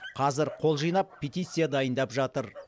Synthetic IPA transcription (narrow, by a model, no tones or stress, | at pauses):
qʰɑzɪɾqʰo̞lˠʒijnɑpʰːet̪ʲijt̪sɨjad̪ɑjənd̪ɑpʒɑt̪əɾ